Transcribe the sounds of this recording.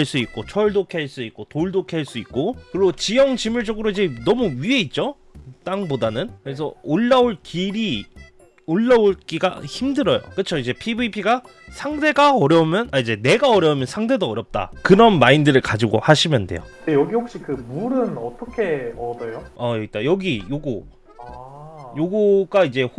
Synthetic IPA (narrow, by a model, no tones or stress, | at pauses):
aɭs͈uit̚k͈ot͡ɕʰʌɭdokʰeaɭs͈uit̚k͈otoɭdokʰeɦaɭs͈uit̚k͈okɯɾiɡot͡ɕijʌŋt͡ɕimɯɭt͡ɕ͈ʌɡɯɾoid͡ʑe̞nʌmuɥie̞it̚t͡ɕ͈o | t͈aŋbodanɯnkɯɾes̬ʰʌ̰oɭːaoɭkiɾi | oɭːaoɭk͈iɡa̰çimdɯɾʌjo̰kɯt͡ɕʰoid͡ʑe̞pʰibɯipʰiɡa | sʰaŋdʰe̞ɡaʌɾjʌumjʌnaid͡ʑe̞ne̞ɡaʌɾjʌumjʌnsʰaŋdʰe̞doʌɾjʌp̚t͈a̰kɯɾʌnmaindɯɾɯɭkad͡ʑiɡo̰haɕʰimjʌnde̞̰jodejʌɡihok̚ɕ͈ikɯmuɾɯnʌt͈ʌkʰe̞ʌdʌjoajʌɡit͈ajʌɡijoɡu | joɡuɡaid͡ʑe̞h